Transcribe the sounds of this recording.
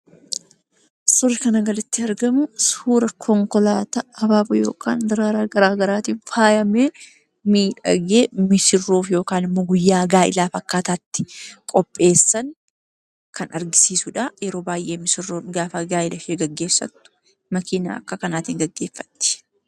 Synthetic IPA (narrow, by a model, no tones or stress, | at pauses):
sʊrːɪkɐnɐɡɐlɪt̪ːɪɐɾɡɐmʊsuːɾɐkʰɔŋkɔlaːt̪ɐɐbaːbɐjo̞̰ːkʰa̰ːnd̪ɪɾaːɾaːɡɐɾaːɡɐɾaːt̪iːnfaːjɐmeː | miːᶑɐ̰ɡeːmɪsɪrːoːfjo̞ːkaːnɪmːoːɡʊjːaːɡaːʔɪ̰laːfɐkːaːt̪aːt̪ːɪ̥kʼɔpʼːe̞ːsːɐŋ | kʰɐnɐɾɡɪsiːsʊᶑajɛɾo̞ːbaːjʔe̞ːmɪsɪrːoːnɡaːfɐɡaːʔɪlɐfeːɡɐɡːe̞ːsːɐ̰t̪ːʊ̥ | mɐkʰiːna̰ːɐ̰kːɐkɐnaːt̪iːŋɡɐɡːe̞ːfːɐ̥t̪ːɪ̥